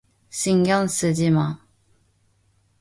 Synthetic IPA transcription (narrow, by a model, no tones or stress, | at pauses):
ɕiŋjɑŋs̩t͡ɕima